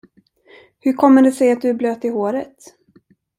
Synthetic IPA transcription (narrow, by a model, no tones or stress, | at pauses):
hɵɾkʰɔmːəɖɛsɛjat̪̚d̪ɵæbløːt̪ɪhoːɾət̪